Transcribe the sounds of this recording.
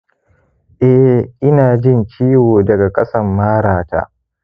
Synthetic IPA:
ʔɛ˦ʔɪ˦naː˨d͡ʒɪ˦˨nt͡ʃiː˦woː˨dɐ˨ɡa˨kʼɐ˦sɐ˦mːaː˦ɽaː˨ta̰ː˦

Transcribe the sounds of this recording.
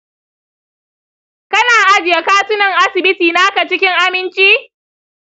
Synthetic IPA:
kɐ˦naː˨ʔa˦d͡ʒɪ˨ja˦kaː˦tʊ˦nɐ˨ŋʔa˦sɪ˨bɪ˦tiː˨na˦a˦ka˨t͡ʃɪ˦kʲɪ˦ŋʔa˦mɪ˦nt͡ʃiː˦

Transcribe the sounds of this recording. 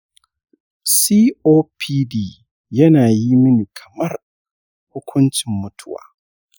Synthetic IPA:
siː˦oː˦pʰiː˦diː˦˨ | jɐ˦naː˨ji˦mʊ˦ni˨kʰɐ˨mɐ˦r | hʊ˦kʷʰʊ˦nt͡ʃɪ˨mːʊ˦tʰʊ˦wa̰ː˨

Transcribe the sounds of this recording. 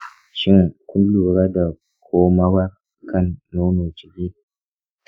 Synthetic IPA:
ʃi˦ŋku˦mblu˨ɾa˦da˨ | kʰo˦ma˦wa˦ɾ | ka˦˨nːo˦no˨t͡ʃi˨ɡʲi˦

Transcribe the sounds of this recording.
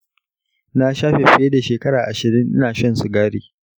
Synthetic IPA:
na˦ʃaː˦ɸe˨ɸɪ˦je˦da˨ʃeː˨kɐ˦ɽaː˨ʔa˨ʃɪ˨ɾɪ˦nʔɪ˦naː˨ʃɐ˦nsu˨ɡaː˦ɽiː˨

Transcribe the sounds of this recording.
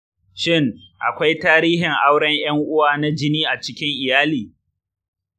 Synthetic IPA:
ʃɪ˦ŋ | ʔa̰˨kʷa˦jtaː˦ɾiː˦ɦɪ˨ŋʔa˦wɽɐ˦ɲj̰ɐ˦ŋʔʊ˦waː˨na˦d͡ʒɪ˦niː˦ʔa˨t͡ʃɪ˦kʲɪ˦ŋʔɪ˨jaː˦liː˨

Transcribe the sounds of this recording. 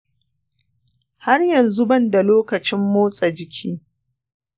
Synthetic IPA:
ha˦rjɐ˨nzu˦bɐ˦nda˨loː˦kɐ˨t͡ʃɪ˦mːoː˦sʼa˨d͡ʒɪ˨kʲʰiː˦

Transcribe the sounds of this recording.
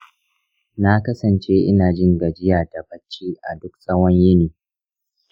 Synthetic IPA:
na˦kɐ˦sɐ˨nt͡ʃeː˦ʔɪ˦naː˨d͡ʒɪ˦ŋɡɐ˨d͡ʒɪ˦jaː˨da˨bɐ˦t͡ʃːiː˦ʔa̰˨dʊ˦k̚sʼɐ˦wɐ˦ɲjɪ˦niː˨

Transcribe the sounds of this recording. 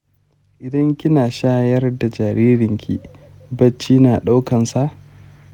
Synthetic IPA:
ʔɪ˨dɐ˦ŋkʲɪ˦naː˨ʃaː˦jɐ˦rda˨d͡ʒaː˨ɾiː˦ɾɪ˨ŋkʲʰḭ˦ | bɐ˦t͡ʃːiː˦naː˨ɗa˦wkɐ˨nsa˦ʔ

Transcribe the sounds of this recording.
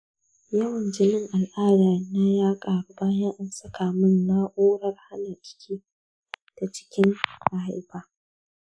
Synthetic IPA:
jɐ˦wɐ˨nd͡ʒɪ˨nɪ˦ŋʔa˨lʔaː˦daː˨˦na˦jaː˦kʼaː˨ɾʊ˨baː˦ja˦ʔa˨nsɐ˦kʰaː˨mɪ˦nlaː˦ʔoː˦ɽɐ˦rha˦na˨kʲʼɪ̥˦kʲʰiː˦ | d̥a˨t͡ʃɪ̥˦kʲɪ˦ŋa˨ha˨jbaː˦

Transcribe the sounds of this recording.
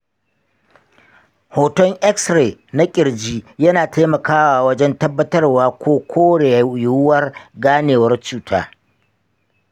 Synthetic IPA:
hoː˨tɔ˦ŋʔɛ˦ksɾeː˨na˦kʲʼɪ˨ɾd͡ʒiː˦jɐ˦naː˨tʰa˦mɐ˨kaː˦waː˨wɐ˦d͡ʒɛ˦ntɐ˦bːɐ˦tɐ˦rwaː˦kʷoː˦kʷʰoː˦ɽeː˨jʊ˦wɐ˦rɡaː˦neː˨wɐ˦rt͡ʃuː˦˨tʰa̰ː˦

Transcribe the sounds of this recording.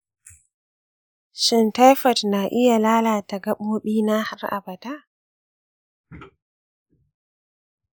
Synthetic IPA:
ʃɪ˦nta˦jfɐ˨tna˨ʔɪ˦ja˨laː˦laː˨ta˨ɡɐ˦ɓmo˦ɓiː˦na˦ha˦ɾʔa̰˨ba˨ta˦

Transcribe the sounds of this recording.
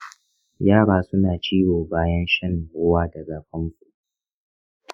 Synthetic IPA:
jaː˦ɽaː˨sʊ˦naː˨t͡ʃiː˦woː˨baː˦jɐ˦nʃɐ˦n˨wʊ˦waː˦dɐ˨ɡaː˨ɸɐ˦ŋsu˨ʔ

